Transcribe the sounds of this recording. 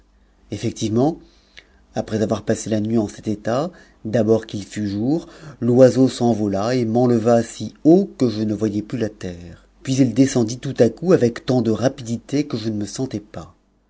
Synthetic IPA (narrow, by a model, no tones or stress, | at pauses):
efɛk̚t̪ivmɑ̃ | apχɛzavwaʁpaselanɥiɑ̃sɛt̪et̪a | d̪abɔʁkilfyʒuːʁlwazosɑ̃vɔlaemɑ̃ləvasiokəʒənəvwajɛplylat̪ɛːʁ | pɥizild̪esɑ̃d̪it̪ut̪akuavɛkt̪ɑ̃d̪əʁapid̪it̪ekəʒənəməsɑ̃t̪ɛpa